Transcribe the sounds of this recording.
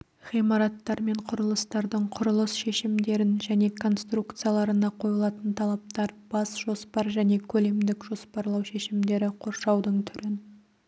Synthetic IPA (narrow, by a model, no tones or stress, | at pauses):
ʁijmɑɾɑt̪ːɑɾme̞ɴqʰʊɾəlˠəst̪ɑɾd̪əɴqʰʊɾəlˠəsʃe̞ʃɪmd̪e̞ɾɪnʒæne̞kʰo̞nst̪rukt̪sɨjalˠɑɾənɑqʰo̞jəlˠɑt̪ənt̪ʰɑlˠɑp̚t̪ɑɾb̥ɑsʒo̞spɑɾʒæne̞kʲʰɵle̞md̪ɪkʒo̞spɑɾlˠɑwʃe̞ʃɪmd̪e̞ɾɪqʰo̞ɾʃɑwd̪əɴt̪ʰʏɾɪn